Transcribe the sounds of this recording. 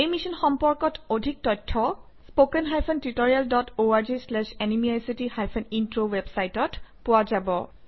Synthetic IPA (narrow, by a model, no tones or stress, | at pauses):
ejmisɔnxɔmpɔɹkɔtʰodʱik̚tɔtʰːɔ | spokɛnɦajpʰɛntitɔɹialdɔtʰoaɹzislɛʃɛnimiajsitihajpʰɛnintɹowebsajtɔtpʊwazabɔ